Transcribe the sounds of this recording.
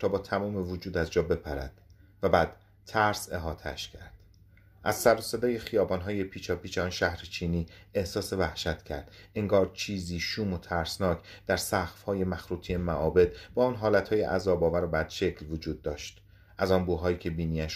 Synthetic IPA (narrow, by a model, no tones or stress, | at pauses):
t̪ʰɒːbɒːt̪ʰæmɒːmevod͡ʒuːd̪æzd͡ʒɒːbe̞pʰæɾæ̰d̪̥ | væbæːd̪̥ | t̪ʰːæɾse̞ɦɒːt̪ʰeæʃcʰæɾd̪̥ | ʔæzsæɾosed̪ɒːje̞xijɒːbɒːnɦɒːje̞pʰiːt͡ʃʰɒːpiːt͡ʃeɒːnʃæhɾet͡ʃʰiːniːehsɒːse̞væhʃæt̪ʰcʰæɾd̪̥ʔeŋɡɒːɾt͡ʃʰiːziːʃuːmot̪ʰæɾsnɒːcʰd̪̥æɾsæxfhɒːje̞mæxɾuːt̪ʰiemæʔɒːbe̞d̪̥bɒːɒːnɦɒːlæt̪hɒːjḛʔæzɒːbɒːvæɾobæd̪̥ʃe̞cʰlvod͡ʒuːd̪̚ːɒːʃt̪ | ʔæzɒnbuɦɒːjiːcʰe̞biːniːæʃ